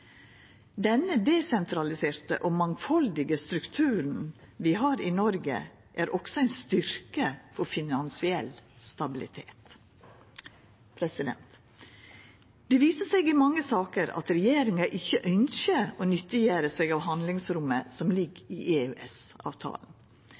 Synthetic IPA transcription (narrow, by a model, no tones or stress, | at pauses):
d̪ɛnːəd̪ɛsɛnt̪ʰɾɑlɪseːɾt̪ə̰ʔoːmɑŋfɑld̪ɪɡəst̪ɾʉkt̪ʰʉːɾn̩ | ʋɪɦɑːɾɪnɔɾɡə̰ | ʔæɾʔɔksɔæɪnst̪ʏɾkəfɔfɪnɑnsɪɛlst̪ɑbɪlɪ̰t̪ʰḛːt̪ | pʰɾɛsɪd̪ɛ̰nt̪ | d̪̥ɛʋiːsəseːɡɪmɑŋːəsɑːkəɾɑ̰t̪ɾɛjeːɾɪŋɑʔɪçːəʔœnçəonʏt̪ːɪjæːɾəsɛɡɑːʋɦɑnd̪lɪŋsɾʊmːəsɔmlɪɡiʔeʉʔɛsɑ̰ːʋt̪ʰɑ̰ːln̩